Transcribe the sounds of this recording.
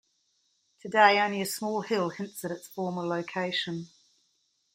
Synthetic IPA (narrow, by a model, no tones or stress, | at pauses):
tʰədeɪə̃ʊ̃nliəsmɔːlˠhɪlˠhɪ̃ntsəɾɪtsfɔːmələʊkʰeɪʃə̃n